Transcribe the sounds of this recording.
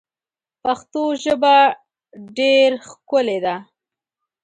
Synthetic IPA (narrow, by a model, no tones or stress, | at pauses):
paxt̪oʒəba | ɖeɾxkʊled̪a